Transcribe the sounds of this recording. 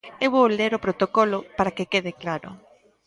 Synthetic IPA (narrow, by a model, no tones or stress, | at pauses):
ewβowleɾopɾot̪okɔlʊpaɾakekeðɪklaɾʊ̰